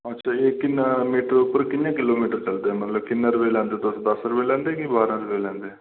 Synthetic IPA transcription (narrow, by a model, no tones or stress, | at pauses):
ətːʃʰaːeːkɪnːamiːʈəɾʊpːəɾkɪnjãːkɪloːmiːʈəɾt͡ʃəld̪eːɦɛːmət̪ləb̚kɪnːaɾbeːlɛ̃ːnd̪eːt̪osd̪əsɾəbeːlɛ̃ːnd̪eːkibaːɾãɾbeːlɛ̃ːnd̪eː